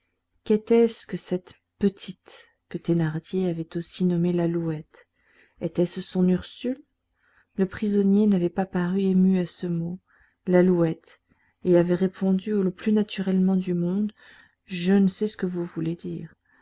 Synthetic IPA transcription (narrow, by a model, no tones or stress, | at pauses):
kɛt̪ɛskəsɛt̪ | pət̪ʰit̪ | kət̪enaʁd̪jeavɛt̪osinɔmelaluɛt̪ | ɛt̪ɛssɔ̃nyʁsylː | əpχizɔnjenavɛpapaʁyemyasəmo | laluɛt̪ | eavɛʁepʰɔ̃d̪yoləplynat̪ʰyʁɛlmɑ̃d̪ymɔ̃d̪ | ʒənəsɛsə̥kəvuvuled̪ḭːʁ